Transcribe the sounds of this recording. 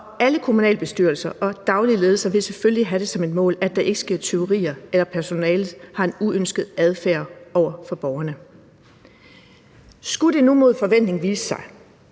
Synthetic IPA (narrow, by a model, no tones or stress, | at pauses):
æləkʰo̝munɛ̰ːlb̥e̝sd̥yɐlsɐʔɒ̽d̥ɑ̈ʊlile̝ːð̩ˠsɐʋe̝lsefølliɦæɾ̥e̝sɒ̽me̝d̥mɔ̰̽ːlæd̥ɑ̈ʔe̝ɡ̥ə̥sɡ̥e̝ɐ̰t͡sʰe̝o̝ʁḭːɐelɐpʰæɐso̝nɛːlð̩ˠhɑ̈e̝nuønsɡ̥ð̩ˠæð̞ˠfæɐ̰ɒʊ̰ɐfɒ̽b̥ɒʊɐnə | sɡ̥uɾ̥e̝numo̝ð̞ˠfɒ̽ʋen̰d̥ne̝ŋʋiːsə̥sɑ̈ɪ